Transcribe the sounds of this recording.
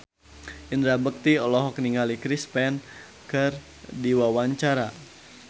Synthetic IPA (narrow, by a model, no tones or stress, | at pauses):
indɾabək̚t̪iɔlɔɦɔkniŋalikɾispɛn | kər | diwawaɲt͡ʃaɾa